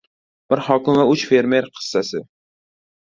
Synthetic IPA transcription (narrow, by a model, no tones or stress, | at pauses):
b̥ɪɾhɒkʲɪmvaʊt͡ʃfe̞ɾme̞ɾqʰɨ̥sːasɪ